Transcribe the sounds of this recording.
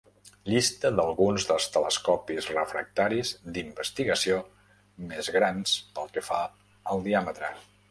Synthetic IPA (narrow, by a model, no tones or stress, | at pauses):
ʎist̪əðəlˠɣunzðəlˠst̪ələskɔpizrəfɾə̰k̚t̪aɾizd̪imbəst̪iɣəsio | mezɣɾanspəlˠkəfa | əlˠd̪iamət̪ɾə